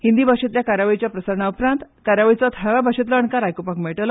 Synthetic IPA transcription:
hind̪ibʱaɕet̪ljakaɾaʋəjt͡ɕjapɾəsəɾɳaupɾãnt̪kaɾaʋəjt͡sɔt̪ʰaʋabʱaɕet̪ləəɳkaɾajkopakmeɭʈəl

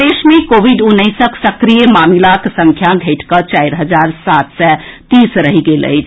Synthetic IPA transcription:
d̪esmekobʱiɖunːəɪsəksəkɾijəmamilaksə̃ŋkʰjaɡʱeʈʰkət͡ʃaɪɾɦəd͡ʒaɾsat̪sɛt̪isɾəɦiɡelə̰ɪt͡ʃʰ

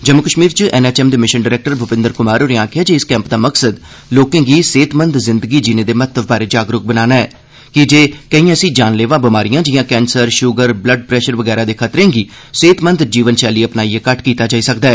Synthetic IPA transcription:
d͡ʒəmːʊkəʃmiːɾt͡ʃəʔɛːnɛːt͡ʃɛːmd̪eːmɪʃənɖɪːɾɛːk̚ʈəɾbʱʊpɪ̃nd̪əɾkʊmaːɾoːneaːkʰɪjaːd͡ʒiɪskɛ̃ːmpd̪aːməksəd̪ | loːkẽːɡiːseːt̪mə̃nd̪zɪnd̪əɡiːd͡ʒɪnẽːd̪eːmət̪ʰəʋbaːɾeːd͡ʒaːɡɾʊk̚bənaːnaːɛː | kɪd͡ʒeːkəĩːəsĩːd͡ʒaːnleːʋãːbɪmaːɾijãːd͡ʒɪjãːkɛ̃ːnsəɾʃʊɡəɾbləɖ̚pɾɛːʃəɾʋəɡɛːɾãːd̪eːkʰət̪ɾẽːɡiː | seːt̪mə̃nd̪d͡ʒiːʋənʃɛːliːəpnaːiːeːkəʈkiːt̪aːd͡ʒaːiːsəkd̪aɛː

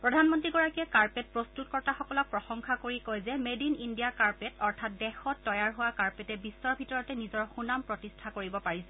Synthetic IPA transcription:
pɹɔdʱanmɔntɹiɡɔɹakijɛkaɹpɛt̚pɹɔstutkɔɹtaxɔkɔlɔk̚pɹɔxɔŋkʰakoɹikojzɛmedinindijakaɹpɛtɔɹtʰat̚dɛxɔtːɔjaɹɦʊwakaɹpɛtɛbisːɔɹbʱitɔɹɔtɛnizɔɹxunampɹɔtistʰakoɹibɔpaɹisɛ

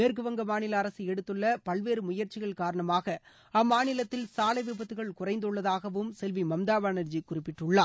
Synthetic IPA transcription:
meːɾkɯʋɐŋɡɐmaːnɪlɐːɾɐsɯɛɽɯt̪ːɯɭːɐpɐɭʋeːɾɯmʊjɐɾt͡ʃɪɣɐɭkaːɾɐɳɐmaːɣɐ | ɐmːaːnɪlɐt̪ːɪlsaːlɐʋɪbɐt̪ːɯɣɐɭkʊrɐɪnd̪ɯɭːɐðaːɣɐʋɯmsɛlʋimɐmd̪aːʋaːnɐɾd͡ʒikʊrɪpːɪʈːɯɭːaː

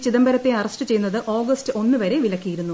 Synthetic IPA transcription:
t͡ɕiðɐmbɐɾɐt̪ːe̞ɐrɐsʈɨt͡ɕe̞jnːɐðɨʔo̞ːɡɐstɨo̞nːɨʋɐɾe̞ʋilɐkʲːijiɾunːu

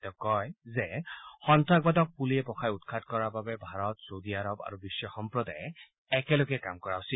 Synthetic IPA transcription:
tɛkɔjzɛxɔntɹak̚badɔk̚puliɛpɔkʰajutkʰatkɔɹababɛbʱaɹɔtsowdiaɹɔba̰ɹubisːɔxɔmpɹɔdaj | ɛkɛloɡɛkamkɔɹaʊsil

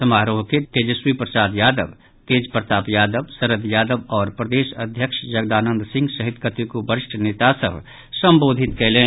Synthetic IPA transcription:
sɐmaːɾoːɦket̪eːd͡ʒəswipɾɐsaːd̪jaːd̪əb | t̪eːd͡ʒpɾət̪aːpjaːd̪əbsɐɾəd̪jaːd̪əbɔːɾpɾəd̪eːʃɐd̪ʱjəkʃd͡ʒɐɡd̪aːnə̃nd̪sɪ̃ŋɡsɐɦɪt̪kət̪ikobəɾɪʃʈʰneːt̪asə̰b | sɐ̃mboːd̪ʱɪt̪keɦlẽː

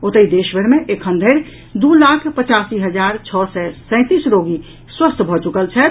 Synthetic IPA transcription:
ot̪əid̪eʃbeɾmeʔekʰənd̪ʱeɾ | d̪ulakʰpət͡ʃasiɦəd͡ʒaɾt͡ʃʰɔsɛsə̃ɪ̃t̪isɾoɡi | swəst̪ʰbʱɔt͡ʃukəlt͡ʃʰɛt̪

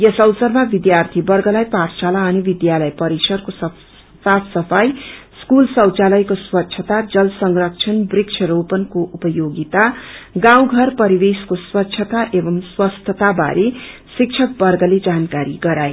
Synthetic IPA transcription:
jʌsʌwsʌrmabid̪jart̪ʰibʌrɡʌlajparsalaʌnibid̪jalʌjpʌɾisʌrkosʌ | t̪apʰsʌpʰajskulsʌwt͡salʌjkoswʌtːt͡ʃʰʌt̪ad͡zʌlsʌŋrʌk̚t͡ʃʰʌnbrikt͡ʃʰʌɾowpʌnkoʔupʌjoɡit̪aɡãw̃ɡʱʌrpʌɾibeskoswʌtːt͡ʃʰʌt̪aʔebʌmswʌst̪ʰʌt̪aba̰ɾʔesik̚t͡ʃʰʌk̚bʌrɡʌled͡zankaɾiɡʌɾaj

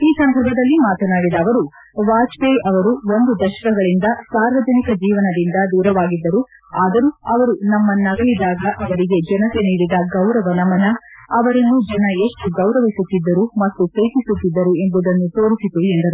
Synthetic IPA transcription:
iːsɐnd̪ɐɾbʱɐd̪ɐlːimaːt̪ɐnaːɽid̪ɐːʋɐɾu | ʋaːt͡ʃʋeɐʋɐɾuo̞nd̪ud̪ɐʃɐ̥kɐɡɐɭind̪ɐsaːɾʋɐd͡ʒɐnikɐd͡ʒiːʋɐnɐd̪ind̪ɐd̪uːɾɐʋaːɡid̪ːɐɾu | aːd̪ɐɾuɐʋɐɾunɐmːɐnːɐɡɐɭid̪aːɡɐʔɐʋɐɾiɡe̞d͡ʒɛnɐt̪e̞niːɽid̪ɐɡɐwɾɐʋɐnɐmːɐnɐɐʋɐɾɐnːud͡ʒɛnɐeʂʈuɡɐwɾɐʋisut̪ːid̪ːɐɾumɐt̪ːukeːtisut̪ːid̪ːɐɾue̞mbud̪ɐnːut̪o̞ːɾisit̪eend̪ɐɾu

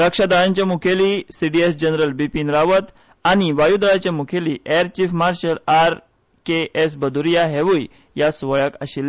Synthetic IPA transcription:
ɾəkʂad̪aɭaɲt͡ɕjamukʰelisiɖiesd͡ʑənɾəlbipiːnɾaʋət̪ | añiʋajud̪ɾaɭat͡ɕjamukʰeliʔɛɾt͡ɕiːfmaɾɕəlaɾ | kees̬bəd̪uɾijaɦeʋuj | jasʋəɭəkə̰ɕilː

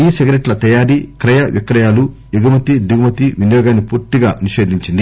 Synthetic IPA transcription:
iːseɡɾeʈlɐt̪ɐjaːɾikɾɐjɐʋikɾɐjaːlu | iɡɐmɐt̪id̪uɡmɐt̪iʋinjɔːɡaːnːipuːɾt̪iɡaːniʃe̞ːd̪ʱiɲt͡ʃind̪i

